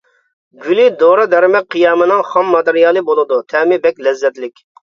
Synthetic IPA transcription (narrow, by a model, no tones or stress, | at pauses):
ɡʲylid̪oɾɑd̪ɛɾmɛk̚ʲqʰijɑːmɨnɨŋχɑmːɑt̪ɨɾijɑːlˠɨbolˠɨd̪ut̪ʰɛmɪbɛk̚ʲlɛzːɛt̪lɪkʲ